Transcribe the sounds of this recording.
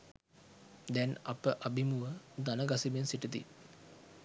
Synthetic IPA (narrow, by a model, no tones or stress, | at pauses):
d̪ɛnɐpəʔabimuʋəd̪anəɡasibensiʈəd̪ḭ